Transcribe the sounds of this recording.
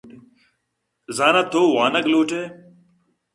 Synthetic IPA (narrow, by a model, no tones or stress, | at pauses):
zaːnat̪oːwaːnɐɡluːʈʰeː